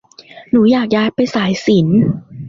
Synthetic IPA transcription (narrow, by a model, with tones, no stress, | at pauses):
nuː˩˦jaː˨˩k̚jaː˧jpa˧jsaː˩˦jsi˩˦n